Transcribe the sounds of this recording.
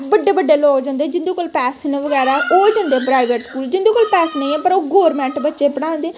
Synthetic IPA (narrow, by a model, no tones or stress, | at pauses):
bəɖːeːbəɖːeːloːoːd͡ʒãːnd̪eɛːd͡ʒɪ̃nd̪oːkoːlpɛːsneʋəɡɛːɾaːʔoːd͡ʒãːnd̪eɛpɾaːɪʋeʈskuːld͡ʒɪ̃nd̪õːkoːlpɛːsnə̃ĩːɛːpəɾoːɡoːɾmɛ̃ːɳʈbətːʃeːpəɽ̃ãːnd̪eː